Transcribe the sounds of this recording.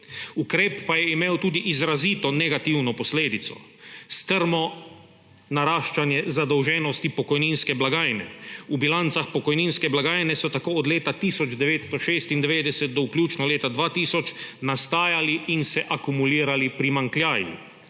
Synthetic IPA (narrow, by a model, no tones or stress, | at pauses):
ukɾeːpːajɛimeːwt̪uːd̪iʔizɾaziːt̪ɔnɛɡat̪iwnɔpɔsleːd̪it̪sɔ̰ | st̪əɾmɔ | naɾaːʃt͡ʃanjɛzad̪ɔwʒɛnɔst̪ipɔkɔjninskɛblaɡaːjnɛ̰ubilant̪saxpɔkɔjninskɛblaɡaːjnɛsɔt̪akoːɔd̪leːt̪at̪iːsɔd͡ʒd̪ɛʋeːt̪st̪ɔʃeːst̪ind̪ɛʋeːd̪ɛsɛt̪̚d̪ɔuklʲjuːt͡ʃnɔleːt̪ad̪ʋaːt̪iːsɔt͡ʃnast̪aːjaliinsɛʔakumuliːɾalipɾimaŋklʲjaːjṵ